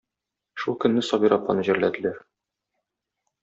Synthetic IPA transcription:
ʃulˠkɵ̆nːɘsɒbiɾɒplːɑnɤʑɘ̆ɾlæd̪ɘ̆læɾ

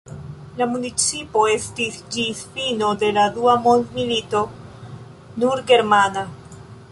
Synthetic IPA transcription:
lamunit͡sipo̞e̞stisd͡ʒisfino̞d̪e̞laduamond̪milito̞ | nuɾɡe̞ɾmana

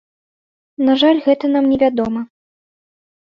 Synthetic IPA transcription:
naʐalʲɣɛt̪ɐnamnʲɛvʲad̪ɔmɐ

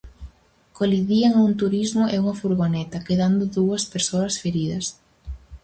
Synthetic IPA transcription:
koliðiɐŋauŋt̪uɾizmʊʔɛuŋɐfuɾɣonɛt̪ɐkeðand̪ʊðuɐspeɾsoɐsfeɾiðɐs

